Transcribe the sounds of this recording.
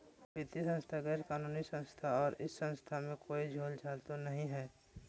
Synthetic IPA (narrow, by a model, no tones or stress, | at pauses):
bɪt̪isə̃nst̪ʰaɡɛːɾkaːnuːnisə̃nst̪ʰaɔːɾɪsːə̃nst̪ʰamẽkoːid͡ʒʱoːld͡ʒʰaːlt̪onɐɦĩɦɛː